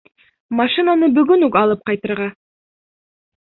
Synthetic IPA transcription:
mɑʃinanəbʏɡʲɪnɑlˠəp̚qʰɑjt̪əɾʁɑ

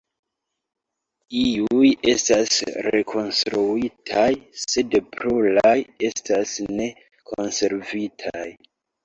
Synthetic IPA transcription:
iuje̞̰stasɾe̞kʰo̞nstɾuitʰajse̞dpɾulaje̞stasne̞ | kʰonse̞ɾvitʰaj

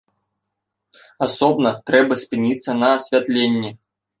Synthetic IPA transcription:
asɔbnɐt̪ɾɛbɐsʲpɨnʲit̪sːɐnɐːsʲvʲat̪lʲenʲːɛ

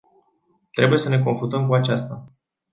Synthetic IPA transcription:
t̪ɾe̞buje̞səne̞k̬o̞nfut̪əmkuat͡ʃast̪a

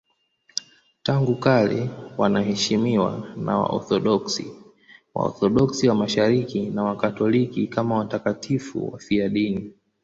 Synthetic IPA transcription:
taŋɡukalɛwanahɛʃimiwa̰na̰wa̰ʔɔ̰θɔɗɔksi | wa̰ɔ̰θɔɗɔksiwamaʃaɾikinawakatɔlikikamawatakatʰifṵwa̰fiaɗini

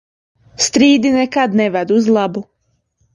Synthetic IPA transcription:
st̪ɾiːd̪inɛkad̪neʋad̪uzlˠabu

